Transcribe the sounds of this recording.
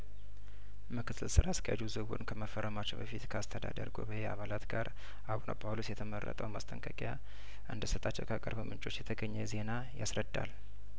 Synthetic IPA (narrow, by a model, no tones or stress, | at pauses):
mɨkʰɨt̪ʰːɨlsɨɾaskʰəja̰d͡ʒuzɨwṵnkʰəməfərːəmat͡ʃːɛwbəfit̪kʰəast̪ʰəd̪a̰d̪ə̰ɾɡo̰bəjɛa̰βalat̪ɡaɾ | aβunʔa̰pʼʰawlusjɛt̪ʰəmərːə̰t̪ʼə̰wmast̪ʰʼəŋkʼəkʼja | ʔɨnd̪əsət̪ʼat͡ʃːɛwkʰakʼəɾbəmʔɨnt͡ʃʼo̞t͡ʃːjɛt̪ʰəɡəɲːɛze̞na | jasɾəd̪ːa̰l